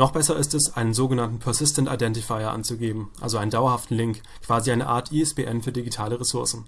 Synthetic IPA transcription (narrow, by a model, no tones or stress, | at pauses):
nɔχb̥ɛsɐɪstɛsʔaɪnənzoːɡənantn̩pʰɛɐsɪstənta̰ɪdɛntɪfaɪɐʔa̰nt͡suɡeːbm̩ʔa̰lzoʔaɪnəndaʊɐhaftn̩lɪŋk | kʰv̥aːziʔaɪnəʔa̰ːɐtʰiɛsb̥eːʔɛnfyːɐdiɡitʰaːləʁesʊɐsn̩